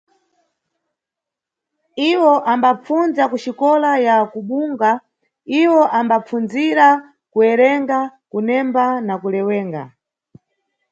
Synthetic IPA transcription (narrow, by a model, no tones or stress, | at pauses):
iwɔʔambap͡funzakuʃikɔlajakuɓuŋɡa | iwɔʔambap͡fund͡ziɾa | kuɛɾɛŋɡakunɛmbanakulɛwɛːŋɡa̰